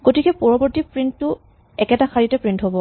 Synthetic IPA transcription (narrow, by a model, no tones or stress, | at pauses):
ɡ̥otikɛpɔɹɔbɔɹtipɹintːʊ | ɛkɛtaxʰaɹitɛpɹintɦobɔ